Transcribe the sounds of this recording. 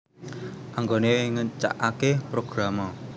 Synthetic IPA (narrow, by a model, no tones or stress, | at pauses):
ʔaŋɡoneŋət͡ʃa̰ʔakepɾoɡ̥ɾamɔ